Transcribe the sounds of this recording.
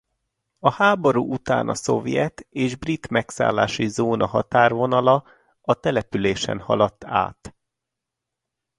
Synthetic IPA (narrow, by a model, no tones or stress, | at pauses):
ɒhaːbo̞ɾuːʔut̪a̰ːnʔɒso̞vjɛt̪eːʒbrit̪mɛksa̰ːlːa̰ːʃizoːnʔɒɦɒt̪aːrvo̞nɒlɒ | ɒt̪ɛlɛpyleːʃɛ̰nhɒ̰lɒt̪ːa̰ːt̪